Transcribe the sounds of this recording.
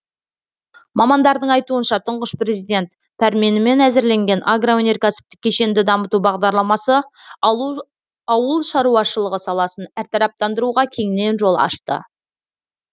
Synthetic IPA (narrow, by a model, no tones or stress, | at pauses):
mɑmɑnd̪ɑɾd̪əɴɑjt̪uənʃɑt̪ʰəɴʁəʃpre̞zijd̪e̞nt̪ | pʰæɾme̞nɪme̞næzɪɾle̞ŋɡʲe̞nʔaɡroonʲerkasi̥p̚t̪ɪ̥kʲʰːe̞ʃe̞nd̪ɪd̪ɑmət̪ubɑʁd̪ɑɾlˠɑmɑsə | ɑwəlˠʃɑɾuɑʃəlˠəʁəsɑlˠɑsənæɾt̪ʰɑɾɑp̚t̪ɑnd̪əɾuʁɑkʲʰe̞ŋɪne̞nʒo̞lˠɑ̰ʃt̪ə̰